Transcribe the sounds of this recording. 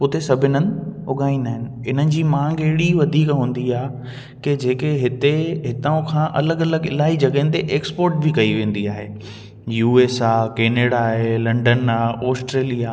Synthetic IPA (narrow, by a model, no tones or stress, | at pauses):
ʊt̪esɐbʱɪnən̆ʊɠaːĩnaːɦɪnɪ̆ɪn̤ənɪ̆d͡ʑiːmãːŋɡɐɦɪɽiʋɐd̪ʱiːkɦũːn̆d̪iaːɦe | ked͡ʑeːkeɦɪt̪eɦɪt̪aʊ̃kʰãːʔɐləɡɐləɡɪlaːɦid͡ʑɐɠɦɪ̃nt̪eʔeːkspoːɾʈbikɐiʋẽːn̆d̪iaːɦeː | juːeːsaːkeːneːɽaɦelɐ̃ɳɖənaːoːsʈɾeːlijaː